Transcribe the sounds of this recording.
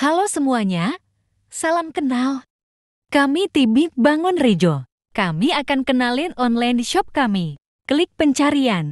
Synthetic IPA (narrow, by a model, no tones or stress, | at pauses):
halosəmuaɲa | salamkənal | kamit̪ibibaŋʊnrid͡ʒo | kamiakankənalɪnɔnlajndiʃɔp̚kami | kəlɪk̚pəɲt͡ʃaɾian